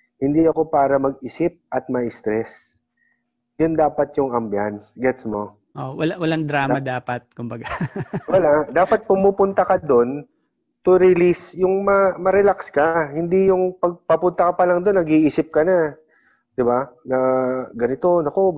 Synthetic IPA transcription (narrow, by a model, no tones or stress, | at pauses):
hɪnd̪iɐko̞paːɾɐmɐɡʔiːsɪp̚ʔɐt̪̚mɐʔɪst̪ɾɛs | jʊnd̪aːpɐt̪̚jʊŋɐmbjansɡɛt̪smo̞ | ʔowɐlawɐlaŋd̪ɾaːmad̪aːpɐt̪̚kʊmbɐɡawɐlad̪aːpɐt̪̚pʊmuːpʊnt̪ɐkɐd̪o̞n | t̪ʊɾɪlisjʊŋmɐmɐɾɛlakskɐhɪnd̪ijʊŋpɐɡ̚pɐpʊnt̪ɐkɐpɐlɐŋd̪o̞nːɐɡiʔiːsɪp̚kɐna | d̪̥ɪbaɐɡɐnɪt̪o̞nɐkob